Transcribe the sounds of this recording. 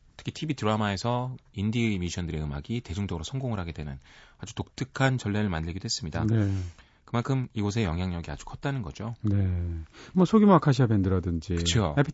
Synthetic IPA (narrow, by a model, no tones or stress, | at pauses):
tʰɯ̥kʰitʰibitɯɾamae̞sʰʌindimiɕʰʌndɯɾe̞ɯma̰ɡite̞d͡ʑuŋd͡ʑʌɡɯɾosʰʌŋɡoŋɯɭhaɡe̞dwe̞nɯnad͡ʑutok̚t͈ɯkʰant͡ɕʌɭːeɾɯɭmandɯɭɡidoɦes͈ɯmɲida̰ne | kɯmankʰɯmiɡos̬ʰe̞jʌŋɦjaŋɲʌɡia̰d͡ʑu̥kʰʌt̚t͈anɯnɡʌd͡ʑone | mwʌsʰoɡimakʰaɕ̬ʰiamendɯɾʌdɯnd͡ʑikɯt͡ɕʰo